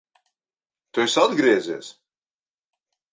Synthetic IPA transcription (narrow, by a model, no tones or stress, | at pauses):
t̪uɛsad̪ɡɾiɛzḛːs